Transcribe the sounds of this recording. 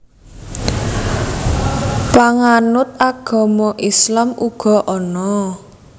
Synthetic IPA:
paŋanʊt̪̚aɡ̥ɔ̤mɔʔislamuɡ̥ɔ̤ʔɔnɔ

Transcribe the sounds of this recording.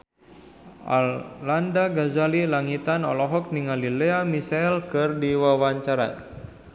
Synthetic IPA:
ʔa̰llandaɡazalilaŋit̪anɔ̰lɔɦɔk̚niŋalileamisaɛlkɨrdiwawaɲt͡ʃaɾa̰

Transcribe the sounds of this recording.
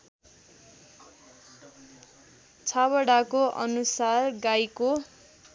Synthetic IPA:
t͡sʰabʌɽakoʔʌ̰nusarɡajko

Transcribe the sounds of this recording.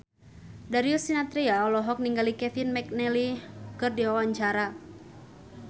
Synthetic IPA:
daɾiusinat̪ɾiaɔlɔɦɔk̚niŋɡalikɛfinmɛk̚nɛlikɨrdiawaɲt͡ʃaɾa

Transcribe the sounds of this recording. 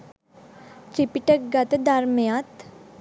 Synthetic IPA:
t͡ɕipiʈəkɡat̪d̪aɾmjat̪

